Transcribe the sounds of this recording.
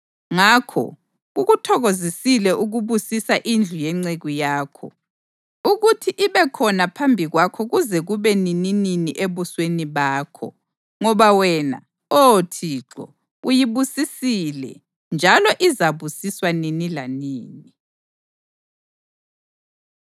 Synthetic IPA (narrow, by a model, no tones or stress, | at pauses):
ŋakʰɔ̰ | ɣuɣutʰɔɣozisilɛʔuɣuβusisaʔind͡ɮʱujɛŋ͡ǀeɣujaːkʰɔ | uɣutʰiʔiβɛkʰɔnapʰambʱiɣwakʰɔɣuzɛɣuβɛninininiʔeβusweniβaːkʰɔ̰ | ŋɔβawɛna̰ | otʰiːǁɔ̰ | ujiβusisilɛ̰ | nd͡ʒʱalɔʔizaβusiswaninilaniːni